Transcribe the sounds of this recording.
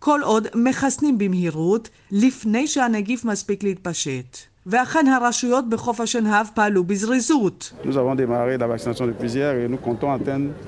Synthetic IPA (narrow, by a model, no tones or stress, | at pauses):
kʰo̞lʔo̞d̪me̞χasnimbimhiʁut | lifne̞jʃehaneɡifmaspiklehit̪̚paʃet̪ | veaχe̞nɦaʁaʃujo̞t̪̚beχo̞fhaʃenɦavpaːlubizʁizutnuzavɔ̃d̪emaʁelavaksinasjɔ̃d̪əpɥizjɛʁenukɔ̃t̪ɔ̃at̪ɛ̃d̪